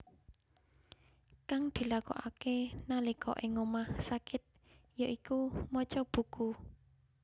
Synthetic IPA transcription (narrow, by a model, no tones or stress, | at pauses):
kaŋd̪̥i̤lakɔ̰ʔakenalikʰɔ̰ʔɪŋːomahsakɪt̪̚ | jəʔikumɔt͡ʃɔb̥ṳku